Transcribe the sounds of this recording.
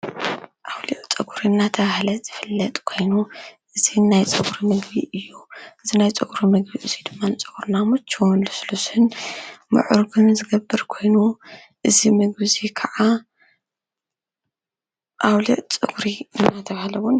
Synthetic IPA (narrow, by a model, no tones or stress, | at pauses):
ʔawliʕt͡sʼɐɡuɾinːat̪ʰɐβahlɐz̥ɨfɨlːɐt̪ʼkʰo̞jnuʔɨzinajt͡sʼɐɡuɾimɨɡbḭʔɨjːuʔɨzinajt͡sʼɨɡuɾimɨɡbiʔɨzid̪ɨmːanɨt͡sʼɨɡuɾnamut͡ʃʰːɐwnlɨslusɨnmɨ̰ʕuɾɡɨnzɨɡɐbːɨɾkʰo̞jnu | ʔɨzimɨɡbɨzikʰɐʕa | ʔawliʕt͡sʼɨɡuɾiɨnːat̪ʰɐβahlɐwun